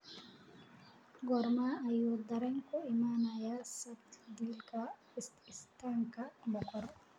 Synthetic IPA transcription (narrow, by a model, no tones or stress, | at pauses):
ɡɔɾmaajɔd̪aɾɛɲkɔɛmaːnajasabt̪dilka | ɛstistaŋkambɔkɔɾ